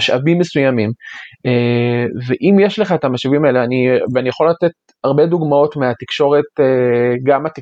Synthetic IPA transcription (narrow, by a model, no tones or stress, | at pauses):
aʃa̰vimːesujamimeveʔimjeʃleχaet̪amaʃavimae̞leaniveanijaχo̞lat̪e̞t̪̚ | aʁbe̞duɡmao̞tmeat̪ikʃo̞ʁe̞t̪eɡamat̪i